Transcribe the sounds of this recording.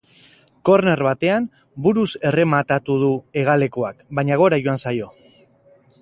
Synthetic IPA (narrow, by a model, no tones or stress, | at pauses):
ko̞ɾne̞ɾβat̪e̞an | buɾuse̞re̞mat̪at̪uð̞ue̞ɣ̞ale̞ko̞akbajɲaɣ̞o̞ɾajʝoansajo̞